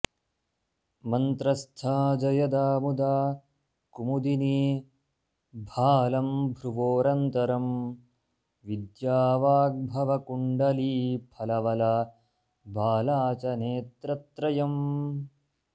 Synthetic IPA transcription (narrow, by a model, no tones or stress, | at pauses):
mɐnt̪ɾɐst̪ʰaːd͡ʒɐjɐd̪aːmud̪aː | kumud̪ini | bʱaːlɐmbʱɾuʋoːɾɐnt̪ɐɾɐm | ʋid̪jaːʋaːɡ̚bʱɐʋɐkuɳɖɐliːpʰɐlɐʋɐlɐ | bʱaːlaːt͡ʃɐneːt̪ɾɐt̪ɾɐjɐm